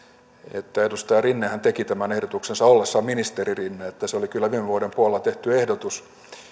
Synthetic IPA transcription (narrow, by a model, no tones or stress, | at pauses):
ḛt̪ːæedust̪ɑjɑrinːehænt̪ekit̪æmænehdot̪uksensɑolːesːɑminist̪eririnːeet̪ːæseolikylːæʋiːmeʋuodempuolelːɑt̪eht̪yehdot̪us